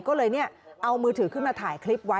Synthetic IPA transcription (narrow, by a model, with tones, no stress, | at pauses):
kɔː˥˩lɤː˧jni˥˩ɐʔa˧wmɯː˧t̪ʰɯː˩˦kʰɯː˥˩nmaː˧t̪ʰaː˩˦jkʰli˦˥p̚wa˦˥